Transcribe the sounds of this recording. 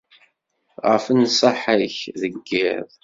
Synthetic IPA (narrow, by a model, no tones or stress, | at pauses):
ʁə̰fənsˤəħəçðəɡːɪðˤ